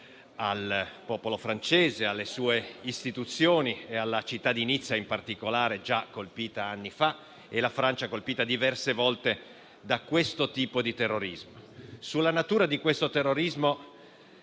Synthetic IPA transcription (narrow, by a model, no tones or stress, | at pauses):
alpɔːpolofɾant͡ʃeːzealːesuːeist̪it̪ut̪sːjoːniealːat͡ʃit̪ːad̪init̪sːaimpart̪ikolaːɾed͡ʒakːolpiːt̪aanːifa | elafɾant͡ʃakolpiːt̪ad̪ivɛrsevɔlt̪e | d̪akwest̪ot̪iːpod̪it̪erːoɾizmosulːanat̪uːɾad̪ikwest̪ot̪erːoɾizmo